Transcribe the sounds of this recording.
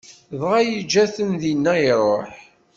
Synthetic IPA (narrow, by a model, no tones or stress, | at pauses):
ðʁajid͡ʒæθənðinːæiɾˤoħ